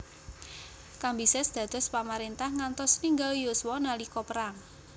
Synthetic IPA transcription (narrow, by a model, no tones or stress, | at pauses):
kambisɛsd̪̥ä̤d̪̥ɔ̤spamaɾent̪ahŋant̪ɔsniŋɡaljoswɔnalikɔpəɾaŋ